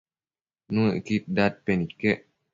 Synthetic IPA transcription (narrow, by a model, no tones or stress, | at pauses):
nũḛkit̪̚dat̚pɛnikːɛ